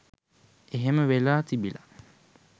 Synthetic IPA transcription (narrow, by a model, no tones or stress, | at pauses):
eɦeməʋelaːt̪ibila